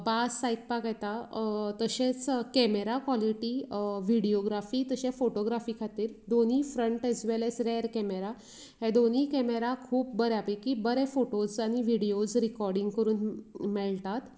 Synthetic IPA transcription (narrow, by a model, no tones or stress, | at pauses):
basːajk̚pakajt̪at̪əɕẽt͡skɛmeɾakʋɔliʈiʋiɽioɡɾafiːt̪əɕẽfoʈoɡɾafiːkʰat̪iːɾd̪oniːfɾəɳʈɛzʋelɛsɾeɾkɛmeɾa | ɦed̪oniːkɛmeɾakʰuːp̚bəɾɛapikiːbəɾɛfoʈod͡zaɽ̃iʋiɽiod͡zɾikɔɾɖĩŋɡkəɾuːnmɛɭt̪at̪